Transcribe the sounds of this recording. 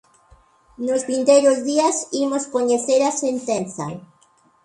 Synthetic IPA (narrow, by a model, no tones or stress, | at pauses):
nozβint̪ejɾʊzðiasimoskoɲeθeɾasent̪ẽnθa̰